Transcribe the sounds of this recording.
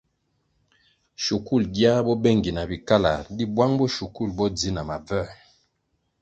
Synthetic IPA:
ʃu˨ku˦˨lɡja˦bɔ˦bɛ˦˨ŋɡi˨na˨bi˨ka˦la̰˨di˦bwa˦ŋbɔ˦ʃu˨ku˦˨lbɔ˦d͡zi˦na˨ma˨vɛ˦˨

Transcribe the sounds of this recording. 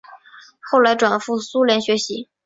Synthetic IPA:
xo˥˩ʊla˧˥ɪʈ͡ʂwa˨˩nfu˥˩su˥ljɛ˧˥nɕɥɛ˧˥ɕi˧˥

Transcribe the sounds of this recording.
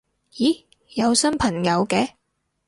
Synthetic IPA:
jiː˨˥ | jɐ˨˧wsɐ˥npʰɐ˨˩ŋjɐ˨˧wkɛː˨˧

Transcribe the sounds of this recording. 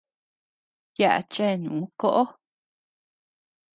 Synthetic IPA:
ja̰˦ʔa̰˨t͡ʃe˦˨nṵ̃˨˦ko˦ʔo˦

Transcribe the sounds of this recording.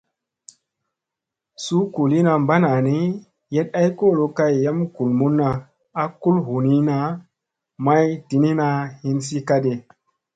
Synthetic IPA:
su˦ku˨li˦na˧mba˦na˨ni˦ | je˦t̚a˦jko˦˨lo˨ka˦jja˦mku˨lmu˦nːa˨ | a˦ku˦lɦu˨ni˦na˦ | ma˦jti˨ni˦na˧hi˦nsi˦ka˦de˨

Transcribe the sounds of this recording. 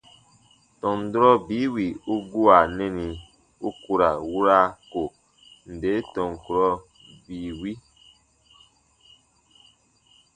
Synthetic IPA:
tɔ̃˨n˨dɾɔ˦biː˨˦wi˨u˦ɡu˦a˨nɛ˦ni˨ | u˦ku˦ɾa˨wu˦ɾa˦ko˨ | n̩˨de˨˦tɔ̃˨ŋ˨ku˨ɾɔ˦ | biː˨wi˦

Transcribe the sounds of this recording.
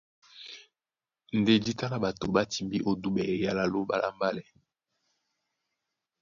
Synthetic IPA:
n˨de˦di˦ta˦la˦ba˨to˨ba˦ti˨mbi˦ʔo˦du˦bɛ˨ja˦la˨lo˦ba̰˦lʔa̰˦mba˦lɛ˨

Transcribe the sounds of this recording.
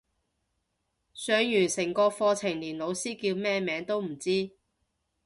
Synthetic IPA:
sœː˨˧ŋjyː˨˩nsɪ˨˩ŋkɔː˧fɔː˧t͡sʰɪ˨˩ŋliː˨˩nlo˨˧wsiː˥kiː˧wmɛː˥mɛː˨˧ŋt̪o˥wm̩˨˩t͡siː˥

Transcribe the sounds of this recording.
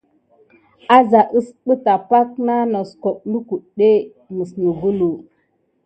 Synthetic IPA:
a˦za˨ʔə˦sɓə˦ta˨pa˦kna˦no˨sko˨ɓlu˦ku˨ɗe˦ | mə˨snu˨ɡu˦lu˨

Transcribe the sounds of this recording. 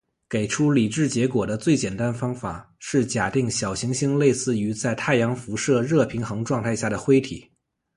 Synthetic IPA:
ke˨˩ɪʈ͡ʂʰu˥li˨˩ʈ͡ʂɻ̩˥˩t͡ɕjɛ˧˥kwɔ˨˩d̪ə˦t͡swe˥˩ɪt͡ɕjɛ˨˩nt̪a˥nfɑ˥ŋfa̰˨˩˦ | ʂɻ̩˥˩t͡ɕja˨˩t̪i˥˩ŋɕjɑ˨˩ʊɕi˧˥ŋɕi˥ŋle˥˧ɪsɹ̩˥˩y˧˥t͡sa˥˧ɪt̪ʰa˥˩ɪjɑ˧˥ŋfu˧˥ʂɤ˥˧ɻɤ˥˩pʰi˧˥ŋxɤ˧˥ŋʈ͡ʂwɑ˥˧ŋt̪ʰa˥˧ɪɕja˥˩d̪ə˩xwe˥ɪt̪ʰḭ˨˩˦

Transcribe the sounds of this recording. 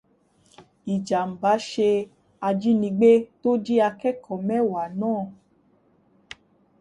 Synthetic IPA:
i˨d͡ʒa˨m̩˨ba˨˦ʃe˧ | a˧d͡ʒi˦nĩ˧ɡ͡be˦to˦d͡ʒi˦a˧kɛ˦kʰɔ˨mɛ̃˦wa˨nãː˦˨

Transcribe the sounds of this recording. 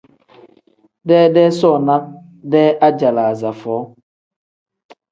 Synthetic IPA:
dɛ˦dɛ˦sɔ˦˨na˦n̚ | dɛ˦a˦d͡ʒa˨la˨za˨fɔː˨˦

